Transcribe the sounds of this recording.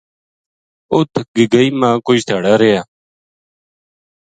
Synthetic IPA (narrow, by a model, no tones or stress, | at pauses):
ʊt̪ʰɡɪɡəiːmãːkʊd͡ʒt̪ʰaːɽaːɾejaː